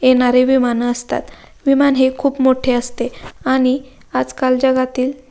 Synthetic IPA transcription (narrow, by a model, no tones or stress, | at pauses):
jeɽ̃aɾeʋimanəst̪a̰t̪ | ʋimanɦekʰuːpmoʈʰeəst̪eaɽ̃i | ad͡zkald͡zəɡat̪iːl